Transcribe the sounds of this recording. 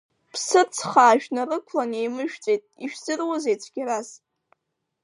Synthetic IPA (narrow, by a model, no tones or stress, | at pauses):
pʰsɨt͡sʰχaːʒᶣnarɨkʷʰlane̞jmɨʒᶣt͡sʼejtʼiʃᶣzɨrwazejt͡sʷʰɡʲɪɾas